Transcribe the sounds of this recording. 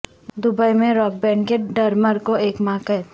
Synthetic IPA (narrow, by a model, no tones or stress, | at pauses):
d̪ʊbəimẽɾɔːk̚bɛ̃ːɳɖkeɖɐɾməɾkoeːkmãːkɦɛː